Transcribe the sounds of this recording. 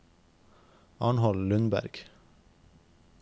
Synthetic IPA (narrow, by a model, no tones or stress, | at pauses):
ɑɳhɔllʉnbæ̰ɾɡ̥